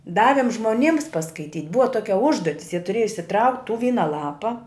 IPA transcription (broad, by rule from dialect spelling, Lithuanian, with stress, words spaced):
ˈdɑːʋʲɪm ʒmoːˈnʲiːms pɐskɐɪˈtʲiːtʲ ˈbʊʋɐ ˈtoːkʲɛ ˈʊʒduɔtʲɪs jiɛ tʊˈrʲeːjɛ ɪʃʲsʲɪˈtrɐʊktʲ tuː ˈʋʲiːnɐ ˈlˠɑːpɐ